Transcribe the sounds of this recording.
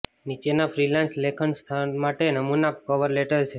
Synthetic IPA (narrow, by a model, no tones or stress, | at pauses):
nit͡ʃenafɾilanslekʰənst̪ʰanmaʈenəmunakɔʋəɾleʈəɾt͡ʃʰe